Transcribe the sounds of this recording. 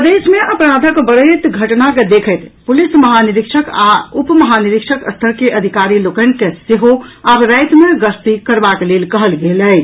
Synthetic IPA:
pəd̪esmeʔəpɾad̪ʱəkbəɽət̪ɡʱəʈnaked̪ekʰəɪt̪pulisməɦaniɾikʃʰəkaupməɦaniɾikʃʰəkəst̪ʰəɾkeʔəd̪ʱikaɾilokənkeseɦoabɾəjt̪meɡəst̪ikəɾbaklelkəɦəlɡeləj

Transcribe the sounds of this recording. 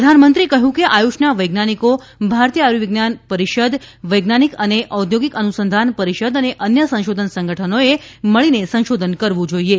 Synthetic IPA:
əd̪ʱanmənt̪ɾiekəɦjũkeʔajuʃnaʋəjɡnaniko | bʱaɾt̪ijəaɾuʋiɡnanpəɾiʃəd̪ʱʋəjɡnanikəneʔəwd̪ʱjoɡikənusənd̪ʱanpəɾiʃəd̪əneʔənjəsə̃ʃod̪ʱənsə̃ŋɡʱəʈʰənoeməɭinesə̃ñʃod̪ʱənkəɾʋũd͡ʒoie

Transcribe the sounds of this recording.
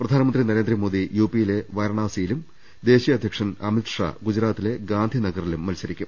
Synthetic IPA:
prɐd̪ʱaːnɐmɐndrinɐɾe̞ːnd̪rɐmoːd̪ijuːpːijile̞ʋɐjɐɾɳaːsijilum | d̪e̞ːɕijɐd̪ʱjɐkʂɐnɐmit̪ʂa̰ːɡud͡ʑɾaːt̪ːile̞ɡaːnd̪ʱinɐɡɐrilumːɐlsɐɾikʲːum

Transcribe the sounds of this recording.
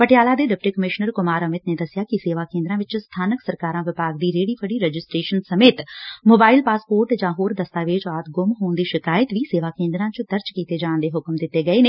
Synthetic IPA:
pəʈjaːlaːd̪eːɖɪp̚ʈiːkəmɪʃnəɾkʊmaːɾəmɪt̪neːd̪əsɪjaːkɪseːʋaːkẽːnd̪ɾãːʋɪt͡ʃst̪ʰaːnəksəɾkaːɾãːʋɪpaːɡd̪iːɾeːɽiːpʰəɽiːɾɛd͡ʒɪsʈɾeːʃənsəmeːt̪moːbaːɪlpaːspoːɾʈd͡ʒãːɦoːɾd̪əst̪aːʋɪt͡ʃaːt̪ɡʊmɦoːnd̪iːʃɪkaːjət̪ʋiːseːʋaːkẽːnd̪ɾãːt͡ʃəd̪əɾd͡ʒkiːt̪eːd͡ʒaːɳ̃d̪eːɦʊkmd̪ɪt̪ːeːɡəeːneː

